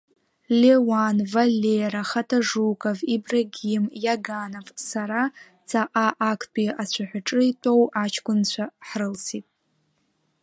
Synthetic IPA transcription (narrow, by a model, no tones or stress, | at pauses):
lewanvalʲːeɾaχatʼʰaʐukʼavibraɡʲimjaɡanavsaɾa | t͡sʰaʔaʔːkʷʰpʼiat͡ɕʷʰaħʷᶣaʈ͡ʂʼɨitʼo̞wat͡ʃʰkʷʊnt͡ɕʷʰaħrɨlsitʼ